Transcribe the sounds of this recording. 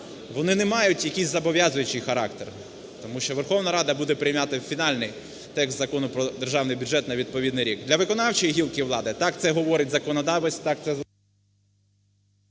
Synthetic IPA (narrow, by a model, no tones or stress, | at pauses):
ʋɔnɪnɛmɑjʊtʲjɐkʲijzʲzɐbɔʋʲjɑzʊjʊt͡ʃɪjxɐɾɑ̰kt̪er | t̪ɔmuʃt͡ʃɔʋerxɔwnɐɾɑd̪ɐbud̪ɛpɾɪjmɑt̪ɪfʲinɑlʲnɪj | t̪ɛkszɐkɔnʊpɾɔd̪erʒɑwnɪjbʲʊʒɛt̪nɐʋʲid̪̚pɔʋʲid̪nɪjɾʲiɡd̪lʲɐʋɪkɔnɑwt͡ʃɔjiɦʲilˠkɪwlˠɑd̪ɪt̪ɑk̚t̪sɛɦɔʋɔɾɪt̚ʲzɐkɔnɐd̪ɑʋɔsʲtʲt̪ɑk̚t̪sɛ